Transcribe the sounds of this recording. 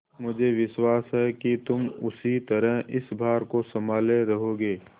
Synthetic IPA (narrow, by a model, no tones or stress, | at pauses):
mʊd͡ʒʱeʋɪʃwaːsɦɛkit̪ʊmʊsit̪ɐɾəɦɪsbʱaːɾkosɐmaːleɾɐɦoːɡeː